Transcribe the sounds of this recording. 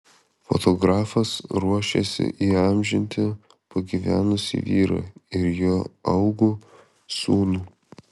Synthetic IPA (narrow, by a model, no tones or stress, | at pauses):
fɔ̰t̪ɔɡɾɑːfɐsɾuɔʃʲḛsʲɪ̰ʔiːɑmʲʒʲɪnʲt̪ʲɪ | pɐɡʲiʋʲæːnʊsʲḭʋʲiːɾɐ̰ɪɾjoːɐʊɡu | suːnuː